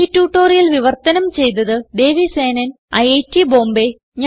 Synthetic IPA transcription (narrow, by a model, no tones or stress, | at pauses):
itːuːʈːo̞ːrijɐlʋiʋɐrt̪ɐnɐmt͡ɕe̞jt̪̬ɐðɨd̪e̞ːʋise̞ːnɐn | ɐ̰jejtːibo̞ːmbe | ɲa